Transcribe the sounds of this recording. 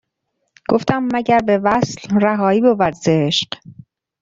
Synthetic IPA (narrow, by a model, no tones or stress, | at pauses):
ɡ̥oft̪æmːæɟæɾbe̞væslræɦɒːiːbovæɾzeʃq